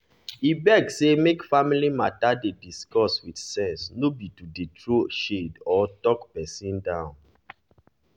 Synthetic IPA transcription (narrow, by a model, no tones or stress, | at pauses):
ibɛɡsemekfamilimatadediskɔswidsɛ̃nsnobitudetɹoʃedɔtɔkpɛsĩndãʊ̃n